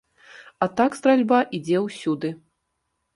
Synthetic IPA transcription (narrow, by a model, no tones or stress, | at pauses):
at̪akst̪ɾalʲbaʔid͡zʲɛwsʲud̪ɨ